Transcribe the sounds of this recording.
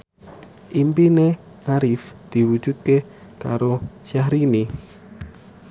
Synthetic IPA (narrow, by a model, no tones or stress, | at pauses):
ʔimpine | ʔaɾifd̪̥i̤wud̥ʒ̥ṳt̪̚ke | kaɾoʃahɾini